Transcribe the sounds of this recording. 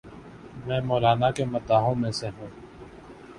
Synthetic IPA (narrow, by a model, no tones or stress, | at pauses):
mɛ̃ːmoːlaːnakemɐt̪aːɦõmẽseɦũː